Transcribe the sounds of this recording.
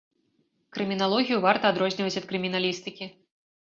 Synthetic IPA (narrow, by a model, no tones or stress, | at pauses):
kɾɨmʲinalˠɔɣʲijuvart̪ɐːd̪ɾɔzʲnʲivɐt͡sʲɐt̪̚kɾɨmʲinalʲist̪ɨkʲi